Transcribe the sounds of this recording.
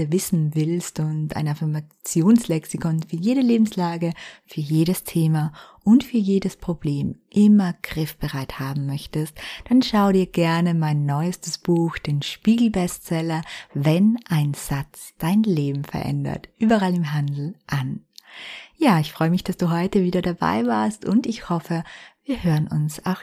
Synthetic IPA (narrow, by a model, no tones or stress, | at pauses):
vɪsn̩vɪlstʊnta̰ɪnafɪɐmat͡sjoːnslɛksɪkʰɔnfyːɐjeːɾəleːbm̩slaːɡəfyːɐjeːɾəstʰeːmaʔʊntfyːɐjeːdəspʁ̥ob̥leːmʔɪmɐɡ̥ʁɪfb̥əʁaɪthaːbm̩mœçtəstd̥anʃaʊədiːɐɡ̥ɛɐnəmaɪnːɔʏəstəsb̥uːxd̥eːnʃpiːɡl̩bɛstt͡sɛlɐvɛnʔaɪnz̥at͡sd̥aɪnleːbm̩fɛ̰ɐʔɛ̰ndɐ̰tʔyːbɐʁalɪmɦandl̩ʔan | jaːɪçfʁ̥ɔʏəmɪçd̥asd̥uːɦɔʏtəviːdɐdaba̰ɪvaːɐstʊntɪçhɔfəviːɐhøːʁənʊnsa̰ʊx